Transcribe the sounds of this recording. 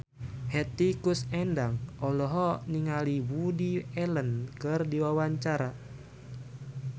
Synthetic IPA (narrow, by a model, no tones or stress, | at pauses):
hɛt̪ikusɛndaŋʔɔlɔɦɔniŋaliwudiɛlənkɨrdiwawaɲt͡ʃaɾa